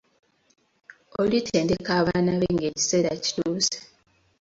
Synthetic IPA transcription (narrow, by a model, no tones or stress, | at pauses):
olitʰe̞ːndekaːβaːnaβeŋɡe̞ːci̥seɾaci̥tuːse̥